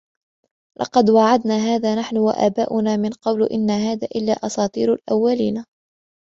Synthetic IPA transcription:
lʔɑ̰qɑd̪waʕad̪naːɦaːðaːnaħnʊwa̰ʔa̰ːbaːʔʊnaːmɪnqɑwlʔɪnːaɦaːðaːʔɪlːaːʔɑsɑːt̪ˤiːɾalʔawːaliːna

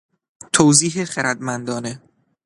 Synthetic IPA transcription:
t̪ʰowziːɦeχeɾæd̪mænd̪ɒːne

